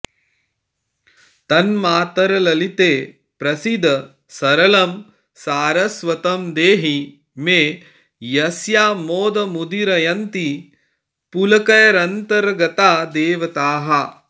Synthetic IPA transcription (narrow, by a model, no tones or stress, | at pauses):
t̪ɐnmaːt̪ɐɾɐlɐlit̪eː | pɾɐsid̪ʱɐ | sɐɾɐlɐm | saːɾɐsʋɐt̪ɐmd̪eːɦi | meː | jɐsjaːmoːd̪ɐmud̪iɾɐjɐnt̪i | pulɐkɐjɐɾɐnt̪ɐɾɡɐt̪aːd̪eːʋɐt̪aːɦɐ